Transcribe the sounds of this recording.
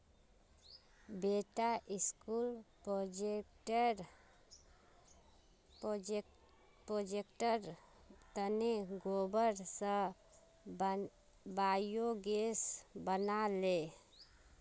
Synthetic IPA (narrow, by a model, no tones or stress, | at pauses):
beːʈaʔɪskulpod͡ʒeʈɾ | pɾod͡ʒekʈəɾ | t̪əneɡobəɾsə̃ | baːjoɡesbənale